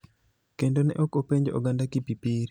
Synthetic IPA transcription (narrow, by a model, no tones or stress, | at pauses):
kendonɛ̰ʔɔkopeɲd͡ʒo̰ɡandakipipiɾ